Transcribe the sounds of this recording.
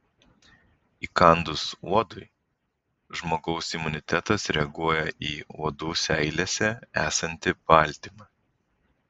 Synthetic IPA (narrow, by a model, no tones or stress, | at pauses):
iːkɐˑnd̪ʊsuɔd̪ʊɪ | ʒmoːɡɒʊsɪmʊnʲɪt̪ʲɛt̪ɐsɾʲɛɐɡuɔjɛʔiːuɔd̪uːsʲɛɪlʲesʲɛæːsɐnʲt̪ʲɪpɑˑlʲt̪ʲimɑː